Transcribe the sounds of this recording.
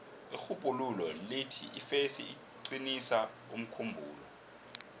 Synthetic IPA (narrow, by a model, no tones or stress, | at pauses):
ixupʼululɔletʰḭʔifesi | ǀinisa | um̩kʰumbʱṵːlɔ̰